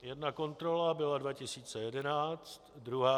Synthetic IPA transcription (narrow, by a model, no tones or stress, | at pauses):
jɛdnako̞nt̪ɾo̞labɪladvacɪsiːt͡sɛjɛdɛnaːt͡st̪d̪ɾuɦaː